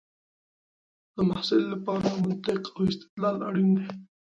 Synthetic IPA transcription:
d̪̥əmahsɪlːapɑɾamʊnt̪ɪqawɪst̪ɪ̥d̪lɑla̰ɽind̪e

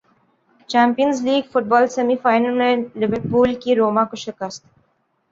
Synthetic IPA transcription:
t͡ʃãːmpijənzliːɡfʊʈ̚bɔːlsɐmifaːɪnəlmẽlɪʋəɾpuːlkiɾoːmãkoʃɪkəst̪

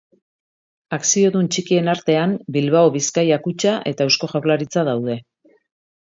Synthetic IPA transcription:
aksio̞ðunt͡ʃikie̞naɾt̪e̞ambilβaoβiskajakut͡ʃaʔe̞t̪aewsko̞ʝawɾlaɾit͡saðawð̞e̞

